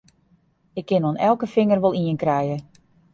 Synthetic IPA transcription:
ɪkʰːɪnonɛlˠkəfɪŋərʋolˠiənkrɛjə

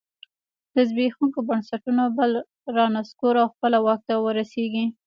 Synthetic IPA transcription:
d̪̥əzbexuŋkobansaʈunobəl | ɾɑnaskoɾawxpəlawɑk̚t̪awəɾaseɡi

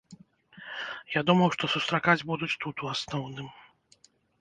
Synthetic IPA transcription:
jad̪umɐwʂt̪ɔsust̪ɾakad͡zʲbud̪ut͡sʲt̪ut̪uasnɔwnɨm

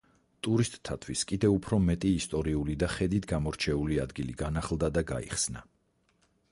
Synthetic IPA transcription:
t̪ʼuɾist̪ʼt̪ʰːat̪ʰwiskʼid̪ɛupʰɾɔmɛt̪ʼiːst̪ʼɔɾiulid̪aχɛd̪it̪ʰɡamɔɾt͡ʃʰɛuliad̪ɡilḭɡanaχlˠd̪ad̪aɡa̰ḭχsna

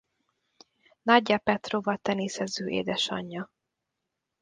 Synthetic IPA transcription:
nɒɟːɒpɛt̪roːvɒt̪ɛneːsɛzøːʔḛːd̪ɛʃɒ̰ɲːɒ

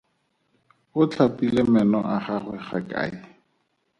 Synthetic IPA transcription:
ʊt͡ɬʰapilemɛnɔ̰ʔaχaχwɛχakʼa̰ːɪ

